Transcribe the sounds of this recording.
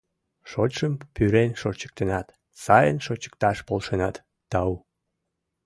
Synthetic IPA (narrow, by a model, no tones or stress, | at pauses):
ʃot͡ɕʃəmpyɾenʃot͡ɕə̥k̚t̪ənɑt̪ | sɑjə̰nʃot͡ɕə̥k̚t̪ɑʃpolʃenɑt̪ː | ɑu